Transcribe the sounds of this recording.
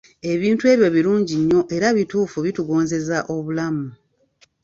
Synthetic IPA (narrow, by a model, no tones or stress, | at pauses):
e̞βiːntue̞βjo̞βiluːɲɟiɲːo̞ʔe̞ɾaβituːfuβituɡo̞ːnze̞zaʔo̞βulamu